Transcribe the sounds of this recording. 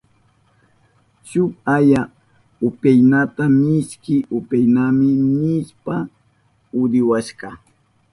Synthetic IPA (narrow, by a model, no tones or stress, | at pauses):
ʃʊkaja | ʊpajnat̪amɪskɪʊpajnamɪnɪʃpa | ʊd̪ɪwaʃkɑ